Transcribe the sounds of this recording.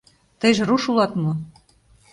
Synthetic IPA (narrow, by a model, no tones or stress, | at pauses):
t̪ə̆jʒĕɾuʃulɑt̪mo